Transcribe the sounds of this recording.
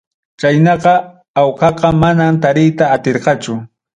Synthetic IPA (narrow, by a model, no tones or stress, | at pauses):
t͡ʃajnɑqɑ | awqɑqɑmanamt̪aɾɪjt̪aːt̪eɾqɑt͡ʃʊ